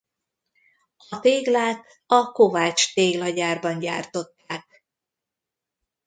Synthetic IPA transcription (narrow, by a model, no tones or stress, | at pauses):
ɒt̪eːɡlaːt̪ | ɒko̞vaːt͡ʃt̪eːɡlɒɟaːrbɒɲɟa̰ːrt̪o̞t̪ːaːk̚